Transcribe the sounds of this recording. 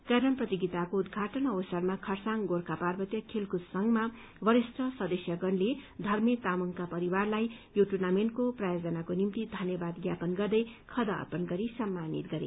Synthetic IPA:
kʌɾʌnprʌt̪iɡit̪akoud̪ɡʱaʈʌnʌwsarmakʰʌrsaŋɡorkaparbʌt̪jʌkʰelkussʌŋɡma | bʌɾisʈʌsʌd̪ʌsjʌɡʌnled̪ʱʌrmjet̪amuŋkapʌɾiwarlajjoʈurnamenʈkoprajod͡zʌnakonimt̪id̪ʱʌnjʌbad̪ɡjapʌnɡʌrd̪ʌjkʰʌd̪ʌ̰ːpʌnɡʌɾisʌmːanḭt̪̚ɡʌɾḛ

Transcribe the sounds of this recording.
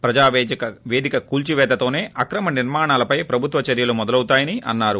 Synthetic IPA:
pɾɐd͡ʒaːʋeːd͡ʒɐkɐʋeːd̪ʱikɐkuːlt͡ʃiʋɛːd̪ɐt̪o̞ːne̞ːʔɐkɾɐmɐniɾmaːɳaːlɐpɐjpɾɐbʱut̪ʋɐt͡ʃɐɾjɐlumɔd̪ɐlɐwut̪aːjɐniʔɐ̰nːaːɾu

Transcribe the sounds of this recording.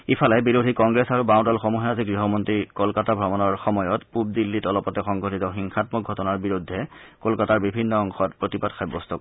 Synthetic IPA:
ipʰalɛbiɹodʱikɔŋɡɹɛsaɹubãw̃dɔlxɔmuɦɛaziɡɹiɦɔmɔntɹikɔlkatabʱɹɔmɔnɔɹxɔmɔjɔtpub̚dilːitɔlɔpɔtɛxɔŋɡʱotitɔxiŋxatmɔk̚ɡʱɔtɔnaɹbiɹudʱːɛkolkataɹbibʱinːɔɔŋxɔt̚pɹotipatxʰajbɔstɔ

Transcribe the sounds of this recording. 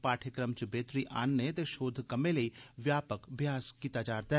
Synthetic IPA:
paːʈʰəkɾəmt͡ʃʊbeːt̪ɾiʔaːnːet̪eʃoːd̪ʱkɐmẽlɐiʋjaːpəkbʱjaːskiːt̪ad͡ʒaːɾt̪a

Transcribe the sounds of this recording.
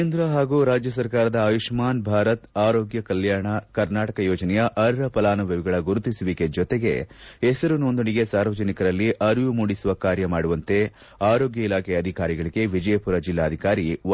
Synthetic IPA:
end̪ɾɐɦaːɡuːɾaːd͡ʒjɐs̬ɐɾkaːɾɐd̪ɐːʋiʂmaːnbʱaːɾɐt̪aːɾoːɡjɐkɐljaːɾɳɐkɐɾnaːʈɐkɐjɔːd͡ʒɐnɛjɐʔɐɾɾɐpɐlaːnɐʋɐʋiɡɐɭɐɡuɾut̪isuʋiked͡ʒɔt̪eɡe̞̰ɛsɐɾunond̪uɳiɡe̞saːɾʋɐd͡ʒɐnikɐɾɐlːiʔɐɾʋumuːɽisuʋɐkaːɾjɐmaːɽuʋɐnt̪e̞ | aːɾoːɡjɐilaːkʰɛjɐd̪ʱikaːɾiɡɐɭiɡe̞ʋid͡ʒɐjɐpuɾɐd͡ʒilːaːd̪ʱikaːɾi

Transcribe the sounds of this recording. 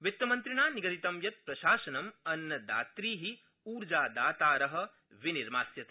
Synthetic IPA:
ʋit̪ːɐmɐnt̪ɾiɳaːniɡɐɾit̪ɐmjɐt̪̚pɾɐʃaːʃɐnɐmɐnːɐd̪a̰ːt̪ɾiːɦi | uːɾd͡ʒaːd̪aːt̪aːɾɐɦɐ̆ | ʋiniɾmaːsjɐt̪

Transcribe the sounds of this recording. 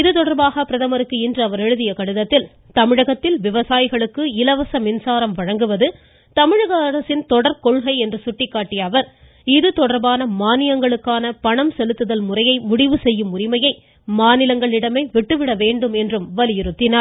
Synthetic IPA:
ɪðɯt̪ɔɽɐɾbaːɣɐpɪɾɐðɐmɐɾɯkːɯɪndrɯɐʋɐɾɛɻɯðɪjɐkɐɽɯðɐt̪ːɪl | t̪ɐmɪɻɐɣɐt̪ːɪlʋɪʋɐsaːjɪɣɐɭɯkːɯɪlɐʋɐsɐmɪnsaːɾɐmʋɐɻɐŋɡɯʋɐðɯ | t̪ɐmɪɻɐɣɐːɾɐsɪnt̪ɔɽɐɾkɔɭɣɐɪɛndrɯsʊʈːɪkːaːʈːɪjɐːʋɐɾ | ɪðɯt̪ɔɽɐɾbaːnɐmaːnɪjɐŋɡɐɭɯkːaːnɐpɐɳɐmsɛlɯt̪ːɯðɐlmʊrɐjɐɪmʊɽɪʋɯsɛjːɯmʊrɪmɐjɐɪ | maːnɪlɐŋɡɐɭɪɽɐmɐɪʋɪʈːɯʋɪɽɐʋeːɳɖɯmɛndrɯmʋɐlɪjɪɾɯt̪ːɪnaːɾ

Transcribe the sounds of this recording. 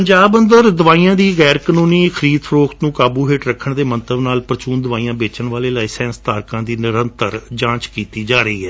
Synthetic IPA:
pəɲd͡ʒaːbənd̪əɾd̪ʊʋaːiːãːd̪iːɣɛːɾkənũːniːkʰəɾiːd̪fʰəɾoːkt̪nũːkaːbuːɦeːʈɾəkʰːəɳd̪eːmənt̪əbnaːlpɾət͡ʃuːnd̪ʊʋaːiːãːbeːt͡ʃəɳʋaːleːlaːiːsɛ̃ːnst̪aːɾkãːd̪iːnɪɾənt̪əɾd͡ʒãːt͡ʃkiːt̪iːd͡ʒaːɾəiːɦɛː

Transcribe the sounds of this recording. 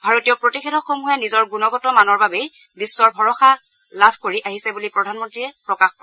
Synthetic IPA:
bʱaɹotijɔpɹotixetʰɔxomuɦɛnizɔɹɡunɔɡɔtɔmanɔɹbabej | bisːɔɹbʱɔɹɔxa | labʱkoɹiʔaɦisɛbulipɹɔdʱanmɔntɹiɛpɹɔkaxpɔ

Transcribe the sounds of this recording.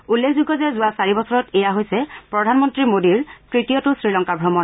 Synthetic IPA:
ulːekʰzuɡɔzɛzʊwasaɹibɔsɔɹɔtɛjaɦojsɛpɹɔdʱanmɔntɹimodiɹkɹitijɔtʊsɹilɔŋkabʱɹɔmɔn

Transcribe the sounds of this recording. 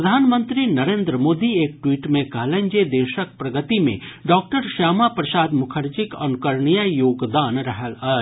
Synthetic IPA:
ɾɐd̪ʱaːnmə̃nt̪ɾinɐɾẽːnd̪ɾəmoːd̪ieːk̚ʈwiːʈmẽkɐɦlə̃ɲd͡ʒed̪eːʃək̚pɾɐɡət̪imḛ̃ɖɔːk̚ʈəɾʃaːmapɾɐsaːd̪mʊkʰəɾt͡ʃɪkɐnʊkəɾɳijajoːɡd̪aːnɾɐɦəlaː

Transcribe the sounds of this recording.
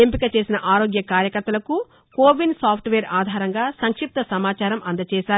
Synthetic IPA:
empikɐt͡ʃe̞ːsinɐʔaːɾo̞ːɡjɐkaːɾjɐkɐɾt̪ːɐlɐku | koːʋinsaːpʰʈʋeːɾaːd̪ʱaːɾɐŋɡaːsɐŋkʂip̚t̪ɐsɐmaːt͡ʃaːɾɐmʔɐnd̪ɐt͡ʃɛːʃaːɾu

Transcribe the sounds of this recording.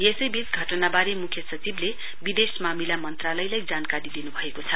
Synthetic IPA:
jesʌjbit͡sɡʱʌʈʌnabaɾemukʰjʌsʌt͡sible | bid̪esmamilamʌnt̪ralʌjlajd͡zankaɾid̪inubʱʌekot͡sʰʌ

